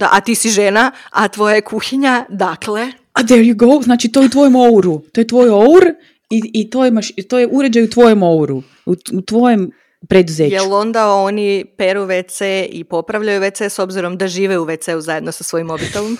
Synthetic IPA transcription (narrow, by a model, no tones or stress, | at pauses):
d̪aʔat̪iːsiʒenaat̪ʋo̞jajekʰuxiɲad̪akle | ad̪ɛɹjuɡowznaːt͡ʃit̪ojut̪ʋojomo̞wɾut̪ojet̪ʋo̞jouɾ | iit̪o̞jemaʃt̪o̞jeʔuɾed͡ʑajut̪ʋo̞jemo̞uɾu | uut̪ʋo̞jem | pɾed̪uzejelo̞nd̪aonipeɾuʋet̪seʔipo̞pɾaʋlʎajuʋet̪eso̞bziɾo̞md̪aʒiːʋeuʋet̪seuzaje̞d̪nosasʋo̞jimobit̪olom